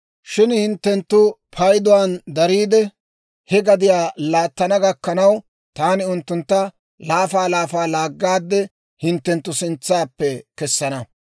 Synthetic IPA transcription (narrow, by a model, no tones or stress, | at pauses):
ʃɪnhɪnt̪ːɛnt̪ːʊpʰɐjd̪ʊwaːnd̪ɐɾiːd̪ɛ | hɛɡɐd̪ɪjaːlaːt̪ːɐnɐɡɐkːɐnɐw | t̪aːnɪʊnt̪ːʊnt̪ːɐ | laːfaːlaːfaːlaːɡːaːd̪ːɛ | hɪnt̪ːɛnt̪ːʊsɪnt͡sːaːpːɛkɛsːɐnɐ